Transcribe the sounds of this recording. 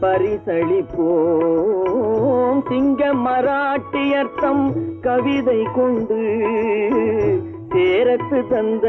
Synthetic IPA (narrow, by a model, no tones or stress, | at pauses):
pɐɾɪsɐɻɪpːoː | mt̪ɪŋɡɐmɐɾaːʈːɪjɐɾt̪ːɐmkɐʋɪðɐɪkɔɳɖɯ | t̪eːɾɐt̪ːɯt̪ɐnd̪ɐ